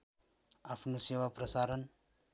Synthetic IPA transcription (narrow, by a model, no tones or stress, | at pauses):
apʰnosewaprʌsaɾʌn